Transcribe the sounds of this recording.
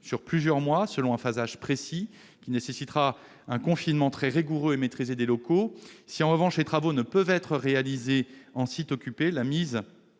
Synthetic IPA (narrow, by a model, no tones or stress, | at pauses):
syʁplyzjœʁmwasəlɔ̃ɛ̃fazaʒpχesi | kʲinesesit̪ʁa | ɛ̃kɔ̃finmɑ̃t̪χɛʁiɡuʁøemet̪χized̪elɔkosiɑ̃ʁəvɑ̃ʃlet̪χavonəpœvɛt̪χəʁealizeɑ̃sit̪ɔkʲypelamiz